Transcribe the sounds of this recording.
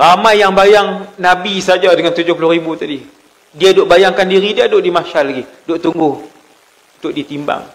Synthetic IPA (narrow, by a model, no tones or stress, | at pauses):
ramajːaŋbajaŋnabisad͡ʒadəŋant̪ud͡ʒʊhplʊribut̪adi | diadoʔbajaŋkandiɾidiadʊʔdimaʃalːaɡidoʔt̪uŋɡʊh | t̪ʊʔdit̪imba̰ŋ